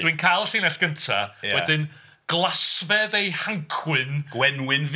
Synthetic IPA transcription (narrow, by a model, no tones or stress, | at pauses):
d̥winkʰajlˠɬiːnɛɬɡ̥əntʰa̰jaɛdɪn | ɡ̥lˠasvɛðejhaŋkʰwɨnɡ̥wɛnwɪnv